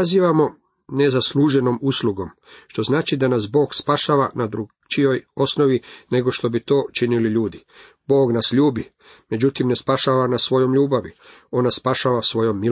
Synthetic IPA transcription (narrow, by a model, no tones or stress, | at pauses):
aziːʋamo̞ | ne̞zasluʒenomuslˠuɡo̞m | ʃt̪o̞znaːt͡ʃid̪anas̬bo̞ːɡspaʃaʋanad̪ɾu | t͡ʃijo̞jo̞snoʋine̞ɡo̞ʃt̪o̞bit̪o̞ːt͡ʃiniliʎuːd̪i | bo̞ːɡnasʎuːbi | me̞d͡ʑut̪imne̞spaʃaʋanasʋo̞jo̞mʎuːbaʋḭ | o̞nːassːpaʃaʋasʋo̞jo̞mːi